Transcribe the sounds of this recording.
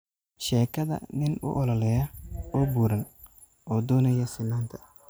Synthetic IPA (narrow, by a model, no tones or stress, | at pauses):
ʃɛːkʰɐðɐ̰nɪnʊ̰ʔɔlɔlɛjɐɔːbuːɾɐn | ɔːd̪ɔːnɐjɐsɪnːaːnt̪ʰɐ̥